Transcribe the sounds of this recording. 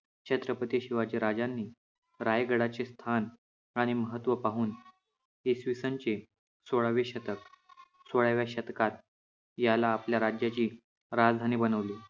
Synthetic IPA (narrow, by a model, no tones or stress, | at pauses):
t͡ɕʰət̪ɾəpət̪ijəɕiʋad͡ʑiɾad͡zanːiː | ɾajɡəɽat͡ɕest̪ʰan | aɽ̃iməɦət̪ʋəpaɦuːn | esʋisənt͡ɕe | soɭaʋeɕət̪ək̚ | soɭaʋjaɕət̪kat̪̚ | jalaːpljaɾad͡ʑjat͡ɕiː | ɾad͡zd̪ʱaniːbənəʋliː